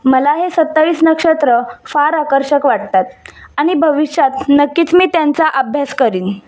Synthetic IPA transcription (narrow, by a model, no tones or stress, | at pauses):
məlaɦesət̪ːaʋiːsnəkʂət̪ɾəfaɾakəɾɕəkʋaʈ̚t̪at̪̚aɽ̃ibʱəʋiɕjat̪̚nəkːiːt͡smiːt̪jant͡saʔəbʱjaskəɾiːn